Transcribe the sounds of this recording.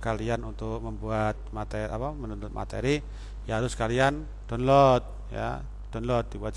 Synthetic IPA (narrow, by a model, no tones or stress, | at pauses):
kalianunt̪ʊk̚məmbuat̪̚mat̪eapamənunʊt̪̚ma̰t̪ḛɾi | jaɾʊskalian | d̥ɔnlɔt̪̚ | ja̰ | d̥ɔnlɔt̪̚dibuat̪̚